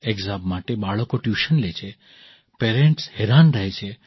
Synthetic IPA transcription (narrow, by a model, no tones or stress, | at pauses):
eɡzabmaʈebaɭəkoʈjuʃənlet͡ʃʰe | peɾẽɳʈsheɾanɾəɦet͡ʃʰe